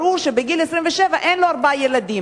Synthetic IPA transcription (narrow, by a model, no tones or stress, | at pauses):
ʁuɾʃebeɡilesʁimveʃevaʔenloaʁbajelad̪i